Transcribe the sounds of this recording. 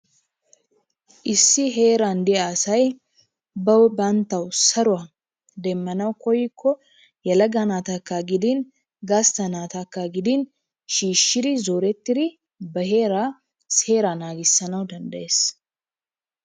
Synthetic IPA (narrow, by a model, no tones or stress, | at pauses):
ʔɪsːɪɦeːɾand̪ɪaːsɐj | bɐwbɐnt̪ːɐwsɐɾʊɐ | d̪ɛmːɐnɐwkʰɔjɪkʰːɔ | jɐlɐɡɐnaːt̪ɐkːaɡɪd̪ɪn | ɡast̪ɐnaːt̪ɐkːaɡɪd̪ɪn | ʃiːʃːɪd̪ɪzoːɾɛt̪ːɪd̪ɪ | bɐɦe̞ːɾa | se̞ːɾanaːɡɪsːɐnɐwd̪ɐnd̪ɐʔe̞ːs